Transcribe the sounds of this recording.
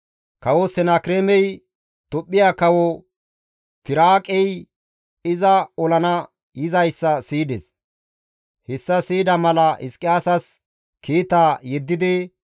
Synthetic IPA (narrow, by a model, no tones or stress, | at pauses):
kɐwɔsɛnaːkɾeːmɛj | t̪ɔpʼːɪjaːkɐwɔ | t̪ɪɾaːkʼɛj | ɪzɐɔlɐnɐ | jɪzɐjsːɐsiːd̪ɛs | hɛsːɐsiːd̪ɐmɐlɐʔɪskʼːɪjaːsɐs | kiːt̪aːjɛd̪ːɪd̪ɪ